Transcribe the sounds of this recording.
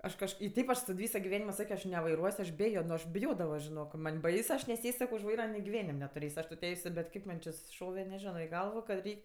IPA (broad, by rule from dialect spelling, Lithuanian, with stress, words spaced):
ˈɐʃ kɐʃˈkɐɪ ɪ ˈtʲɛɪp ɐʃ tɐt ˈʋʲiːsoː ɡʲɪˈʋʲæːnʲɪmoː ˈsɑːkʲoː ɐʃ nʲɛʋɐɪˈruɔsʲ ɐʃ ˈbʲæːjoː nʊ ɐʃ bʲɪˈjoːdɐʋoː ʒʲɪˈnoːk mɐnʲ ˈbɐɪsʊ ˈɐʃ nʲɛˈsʲeːsʲ ˈsɑːkʲoː ʊʃ ˈʋɐɪrɐ ɡʲɪˈʋʲæːnʲɪmʲ nʲɛtʊˈrʲeːsʲ ɐʃ tʊ ˈtʲɛɪsʲʊ bʲɛt ˈkɐɪp mɐn t͡ʃʲɪ sʊsʲɪˈʃoːʋʲɛ nʲɛˈʒʲɪnoː ɪ ˈɡɐlˠʋoː kɐt ˈrʲɛɪkʲ